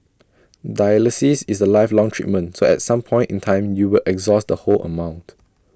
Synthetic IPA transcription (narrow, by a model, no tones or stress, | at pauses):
dajəlisisisəlaɪflɔ̃ŋtʰɹḭt̚mə̃nsoɛ̰t̚sãmpʰɔ̃ɪ̃ntĩntʰãɪ̃mjuwilʔɛkzɔsdəholʔə̰mãʊ̃nt